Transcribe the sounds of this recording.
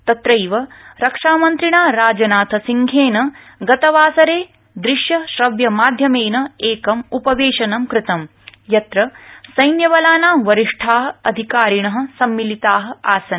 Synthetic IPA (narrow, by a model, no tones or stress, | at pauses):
t̪ɐt̪ɾɐjʋɐɾɐkʂaːmɐnt̪ɾiɳaːɾaːd͡ʒɐnaːt̪ʰɐsiŋɡʰʱeːnɐ | ɡɐt̪ɐʋaːsɐɾeː | d̪ɾiʂjɐʃɾɐʋjɐmaːd̪ʱjɐmeːnɐeːkɐmupɐʋeːʃɐnɐmkɾɪt̪ɐm | jɐt̪ɾɐsɐjnjɐʋɐlaːnaːmʋɐɾiʂʈʰaːɦɐ̆ɐd̪ʱikaːɾiɳɐɦɐ̆sɐmːilit̪aːɦɐ̆aːsɐn